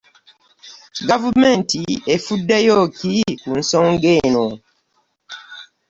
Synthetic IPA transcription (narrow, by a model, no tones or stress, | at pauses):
ɡavumẽntiefudːejokikun̩soŋɡeno